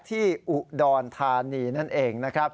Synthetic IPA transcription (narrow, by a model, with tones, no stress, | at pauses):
t̪ʰiː˥˩ʔu˨˩dɔː˧nt̪ʰaː˧niː˧na˥˩nʔeː˧ŋna˦˥kʰɾa˦˥p̚